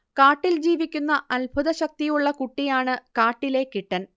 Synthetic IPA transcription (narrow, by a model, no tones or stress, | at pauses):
kaːʈːild͡ʑiːʋikʲːunːɐʔɐlbʱuðɐɕɐk̚t̪ijuɭːɐkuʈːijaːɳɨkaːʈːile̞kiʈːɐn